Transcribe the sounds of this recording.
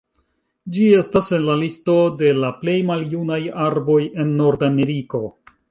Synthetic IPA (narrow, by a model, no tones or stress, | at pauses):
d͡ʒie̞stase̞nlalisto̞de̞laple̞jmaljunajaɾbo̞je̞nːo̞ɾdame̞ɾiko̞